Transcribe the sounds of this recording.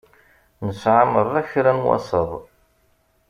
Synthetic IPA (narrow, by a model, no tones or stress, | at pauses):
nəsʕaməɾˤæçɾænwɑ̰sˤəðˤ